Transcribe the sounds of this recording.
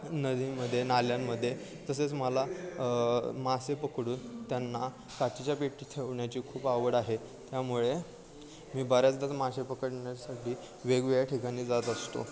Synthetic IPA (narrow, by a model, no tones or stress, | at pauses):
nəd̪iməd̪ʱːjenaljamːəd̪ʱːje | t̪əset͡sməla | masepəkɽuːnt̪janːa | kat͡ɕit͡ɕjapeʈːiːt̪ʰeʋɳjat͡ɕiːkʰuːpaʋəɽaɦe | t̪jamuɭe | miːbaɾjat͡sd̪at͡s̪masepəkəʈɳjat͡ɕasaʈʰiː | ʋeɡʋeɭjaʈʰikañiːd͡zat̪əst̪o̰